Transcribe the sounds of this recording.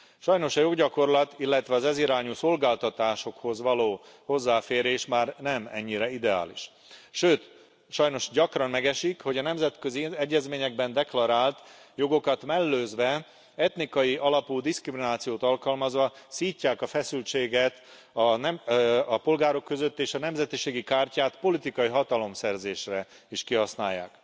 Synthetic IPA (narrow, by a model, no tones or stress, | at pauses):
ʃɒjno̞ʃɒjo̞ɡɟɒko̞rlɒt̪ilːɛt̪ʋɛɒzɛziɾaːɲuso̞lɡaːlt̪ɒt̪aːʃo̞kho̞zʋɒloːho̞zːaːfeːɾeːʃmaːrnɛmɛ̰ɲːiɾɛid̪ɛa̰ːlḭʃ | ʃøːt̪ | ʃɒjno̞ʃɟɒkrɒnmɛɡɛʃikho̞ɟɒnɛmzɛt̪kø̞ziɛɟːɛzmeːɲɛɡbɛnd̪ɛklɒɾaːlt̪jo̞ɡo̞kɒt̪mɛlːøːzʋɛ | ɛt̪nikɒjiʔɒlɒpuːd̪iskriminaːt̪sijoːt̪ɒlkɒlmɒzʋɒsiːcːaːkɒfɛsylt͡ʃeːɡɛt̪ | ɒnɛɒpo̞lɡaːɾo̞kːø̞zø̞t̪ːeːʃɒnɛmzɛt̪iʃeːɡikaːrcaːt̪po̞lit̪ikɒjiɦɒt̪ɒlo̞msɛrzeːʃrɛ | iʃkiɦɒsnaːjːa̰ːk